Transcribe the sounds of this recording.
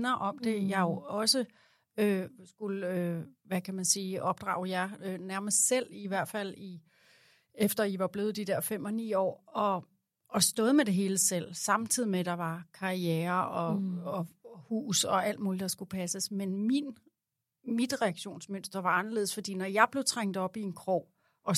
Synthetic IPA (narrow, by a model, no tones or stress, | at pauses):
nɐʔɒ̽md̥e̝jɑ̈ɪjo̝ɒ̽sə | øsɡ̥uløʋækʰæmænsiːɒ̽b̥̚d̥ʁɑ̈ʊjɑ̈ɪønæɐməsd̥sel̰iʋæɐ̰d̥fæl̰i | efd̥ɐiʋɑ̈b̥le̝ːʊð̩ˠd̥id̥ɛɐ̰fem̰ɒ̽nḭːɒ̰ːɒ̽ | ʔɒsd̥ɔ̽ːð̞̩ˠmed̥e̝ɦe̝ːləsel̰sɑ̈mt͡sʰið̰ˠimeɾ̥ɑ̈ʋɑ̈kʰɑ̈ieːɐɒ̽ɒ̽hṵːsɒ̽æl̰d̥muːlid̥ɑ̈sɡ̥upʰæsəsmenmin | mid̥ʁɛɑɡ̥ɕo̝̰ːnsmønd̥ð̥ˠɐʋɑ̈ɑ̈nɐle̝ːðˠsfɒ̽d̥ḭːnɒjɑ̈ɪb̥le̝ʊt͡sʰʁaŋ̰d̥̩ˠɒ̽b̥ie̝nkʰʁɔː | ʔɒ̽